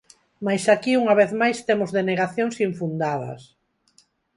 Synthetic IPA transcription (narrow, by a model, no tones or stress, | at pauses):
majsakiuŋaβ̞eθmajst̪emʊzðeneɣaθjoŋsiɱfund̪að̞ɐ̰s